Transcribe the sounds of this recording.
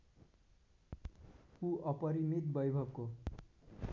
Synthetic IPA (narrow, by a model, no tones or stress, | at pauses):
kuʌpʌɾimit̪̚bʌjbʱʌɡko